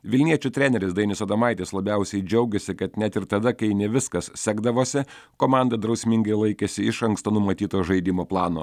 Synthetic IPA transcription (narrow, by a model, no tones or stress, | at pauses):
ʋʲɪlʲnʲiɛt͡ʃʲut̪ʲɾʲæːnʲɛɾʲɪsd̪ɐɪnʲɪsoːd̪ɐmɑɪt̪ʲeːslˠɐbʲɛʊsʲɛɪd͡ʒʲɛʊɡʲesʲɪkɐt̪nʲæt̪ɪɾt̪ɐd̪ɐkɐɪnʲɛʋʲɪskɐssʲæːɡd̪ɐʋoːsʲɪkoːmɑˑnd̪ɐd̪ɾɒʊsʲmʲɪŋɡɐɪlˠɐɪkʲesʲɪɪʃɐŋkst̪oːnʊmɐt̪ʲiːt̪oːʒɐɪd̪ʲɪmoːplˠɑːno̰ː